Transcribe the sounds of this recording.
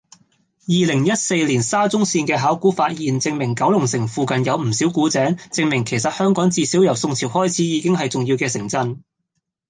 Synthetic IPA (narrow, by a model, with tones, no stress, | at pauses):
jiː˨lɪ˨˩ŋjɐ˥t̚se˧jliː˨˩nsaː˥t͡sʊ˥ŋsiː˧nkɛː˧ɦaː˨˥wkuː˨˥faː˧t̚jiː˨nt͡sɪ˧ŋmɪ˨˩ŋkɐ˨˥wlʊ˨˩ŋsɪ˨˩ŋfuː˨˧kɐ˨njɐ˨˧wm̩˨˩siː˨˥wkuː˨˥t͡sɛː˨˥ŋt͡sɪ˧ŋmɪ˨˩ŋkʰe˨˩jsɐ˨t̚hœː˥ŋkɔː˨˥ŋt͡siː˧siː˨˥wjɐ˨˩wsʊ˧ŋt͡sʰiː˨˩whɔː˥jt͡sʰiː˨˥jiː˨˧kɪ˥ŋɦɐ˨jt͡sʊ˨ŋjiː˧wkɛː˧sɪ˨˩ŋt͡sɐ˧n